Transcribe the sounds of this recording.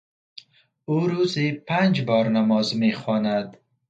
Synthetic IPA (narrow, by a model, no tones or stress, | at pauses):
uɾuzipand͡ʒbɔːɾnamɔːzmexɔːnad̪